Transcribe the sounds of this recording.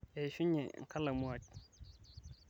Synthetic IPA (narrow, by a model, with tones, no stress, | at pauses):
e˨ʃu˦ɲḛ˨ŋ̩˨ka˦la˨mu˦a˨t̚